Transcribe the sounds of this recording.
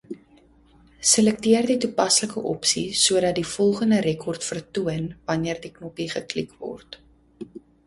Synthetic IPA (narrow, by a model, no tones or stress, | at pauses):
səlɛk̚tiərditupɐsləkəʔɔ̰psisuədɐt̚difɔlˠχəndərɾɛkʰɔrtfərtuənvɐniərdiknɔpiχəklikvɔ̰rt